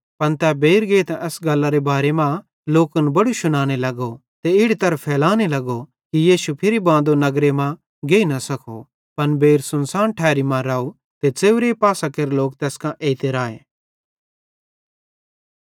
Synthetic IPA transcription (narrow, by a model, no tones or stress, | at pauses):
pɐnt̪ɛbeːɾɡeːt̪ɛ̃ʔɛsɡɐlːaɾebaːɾemã | loːkənbɐɽuʃʊnaːñelɐɡo | t̪eɪɽit̪ɐɾəfʰɛːlaːnelɐɡo | kijiːʃupʰɪɾibãːnd̪onɐɡɾemã | ɡeːinɐsɐkʰo | pɐnbeːɾsʊnsaːnʈʰɛːɾimãɾaːu | t̪et͡seːʊɾepaːsakeɾloːkt̪eːskãʔeːit̪eɾaːḛː